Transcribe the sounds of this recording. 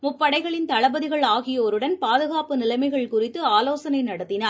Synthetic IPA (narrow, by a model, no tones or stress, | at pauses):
mʊpːɐɽɐɪɣɐɭɪnt̪ɐɭɐbɐðɪɣɐɭaːɣɪjɐɔɾɯɽɐnpaːðɯɣaːpɯnɪlɐɪmɐɪɣɐɭkʊrɪt̪ːɯaːloːsɐnɐɪnɐɽɐt̪ːɪnaːɾ